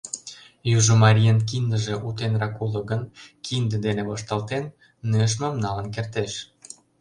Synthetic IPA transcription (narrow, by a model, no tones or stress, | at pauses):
juʒomɑɾʲijənk̬ind̪əʒĕʔut̪enrɑkuləɤɡənkind̪ə̆d̪enĕβoʃt̪ɑlt̪enː | øʃ̬mɑmnɑlə̆nk̬ert̪eʃ